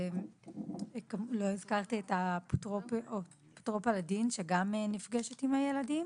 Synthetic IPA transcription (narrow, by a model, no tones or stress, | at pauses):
kamlo̞izkaʁt̪ietaptʁopo | ptʁopaladinʃeɡamenifɡeʃetimhaje̞ladim